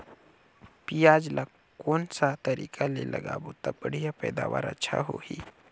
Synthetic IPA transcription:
pijaːd͡ʒlʔa | koːnsat̪ɐɾiːkʰalelʔɐ̰ɡa̰ːbot̪abəɽ̤ijapɛ̰ːd̪aːʋaːɾə̰tːʃʰa̰ɦoːhi

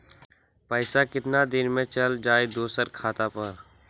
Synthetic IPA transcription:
pəɪsakɪt̪nad̪ɪnmẽt͡ʃɐld͡ʒaːed̪oːsəɾkʰaːt̪apɐɾ

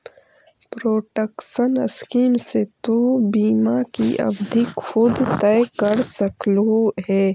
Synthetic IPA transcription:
pɾoːʈəkʃənɐ̰skiːmset̪obiːmakiʔɐ̰bd̪ʱikxʊd̪t̪ɛjkəɾsəkluɦɛː

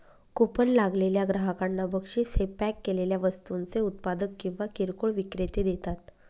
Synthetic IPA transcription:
kopənlaɡleljaɡɾaɦakanːabəkʂisepækːeleljaʋəst̪unt͡seut̪̚pad̪əkːĩw̃ʋakiɾkoɭʋikɾet̪ed̪et̪at̪

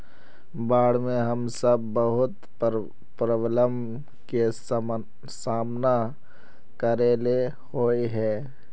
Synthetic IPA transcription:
baːɽmẽɦɐmsəbːəɦʊt̪ | pɾəwləm | ke | saːmna | kəɾele | hoːiɦɛː

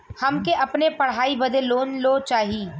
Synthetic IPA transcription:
hɐmkeʔɐpnepɐɽ̤aːibɐd̪eloːnloːt͡ʃaːɦiː

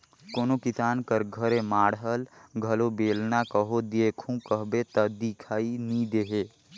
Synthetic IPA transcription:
koːnokɪsaːnkəɾɡʱəɾẽmaːɽɦəlɡʱəlobeːlnakəɦod̪eːkʰũkəɦbet̪əd̪ikʰaːinĩd̪eːɦeː

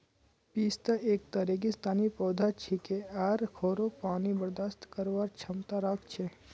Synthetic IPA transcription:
piːst̪əʔeːkt̪əɾek̬ist̪aːnipɔːd̪ʱat͡ʃʰikeaːɾkʰoːɾopaːnibəɾd̪ast̪kəɾʋaːɾt͡ʃʰɐmt̪aɾakʰt͡ʃʰe

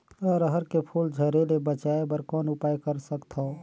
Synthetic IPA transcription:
əɾəɦəɾkepʰuld͡ʒʱəɾelebət͡ʃaebəɾkɔːnupajkəɾsəkt̪ʰɔ

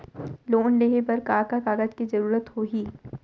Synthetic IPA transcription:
loːnleːɦepɐɾkaːɾkakaːɡəd͡ʒkizɐɾuːɾət̪hoːɡiː

